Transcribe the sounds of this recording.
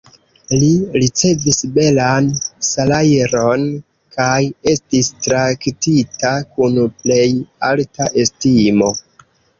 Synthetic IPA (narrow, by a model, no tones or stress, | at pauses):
liɾit͡se̞visbe̞lansalajeɾo̞n | kaje̞stistɾaktitakunple̞jaltaʔe̞stimo̞